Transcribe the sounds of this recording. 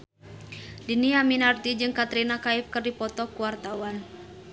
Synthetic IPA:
diniaminart̪id͡ʒɨŋkat̪ɾinakaɪfkɨrdipɔt̪ɔkuwart̪awan

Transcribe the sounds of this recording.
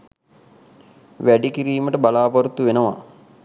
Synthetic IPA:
ʋæɖikiɾiːməʈəbalaːpɐɾut̪ːuʋenəʋa̰

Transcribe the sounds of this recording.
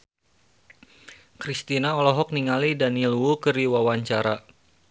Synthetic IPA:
kɾist̪inaɔlɔɦɔk̚niŋalidaniluukɨriwawaɲt͡ʃaɾa

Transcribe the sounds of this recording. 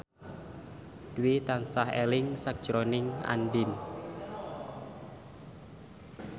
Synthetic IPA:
d̥uwit̪ansahḛlɪŋsak̚d̥ʒ̥ɾonɪŋa̰nɖɪn

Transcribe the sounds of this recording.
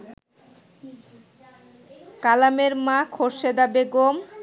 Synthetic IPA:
kalameɾmãkʰoɾʃed̪abeɡom

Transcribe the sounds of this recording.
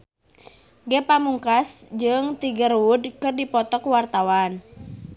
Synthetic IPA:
ɡɛpamuŋkasd͡ʒɨŋt̪iɡərwudkɨrdipɔt̪ɔkwart̪awan

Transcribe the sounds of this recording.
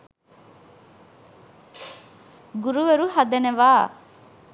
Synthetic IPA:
ɡuɾuʋeɾuhɐd̪eneʋaː

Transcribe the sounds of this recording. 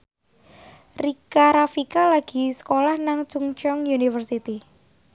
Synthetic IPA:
rikaɾafikalaɡ̥i̤sə̥kolahnaŋt͡ʃuŋt͡ʃɔŋjunifərsit̪i

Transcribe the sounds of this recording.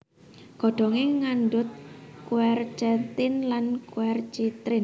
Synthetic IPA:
ɡ̥ɔ̤ɖ̪̥ɔ̤ŋeŋanɖʊt̪̚kuɛrt͡ʃɛnt̪ɪnlankuɛrt͡ʃit̪ɾɪn

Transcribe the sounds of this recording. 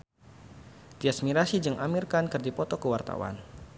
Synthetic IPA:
t̪iasmiɾasid͡ʒɨŋʔamirkankɨrdipɔt̪ɔkəwart̪a̰wa̰n

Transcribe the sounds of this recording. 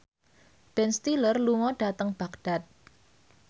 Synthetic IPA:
b̥ɛnst̪ilərluŋɔɖ̥at̪əŋb̥akd̥a̤t̪̚

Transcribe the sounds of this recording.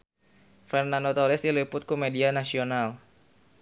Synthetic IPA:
fɛrnandot̪ɔlɛsilipʊt̪̚kɔmedianasional

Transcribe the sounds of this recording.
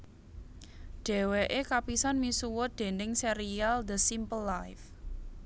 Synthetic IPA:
ɖ̥e̤weʔekapisanmisuwʊd̪̥e̤nɪŋseɾiald̪əsimpəlːajf

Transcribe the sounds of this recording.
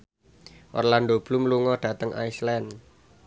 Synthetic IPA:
ʔɔ̰rland̪ob̥lumluŋɔɖ̥ä̤t̪əŋʔa̰islɛn

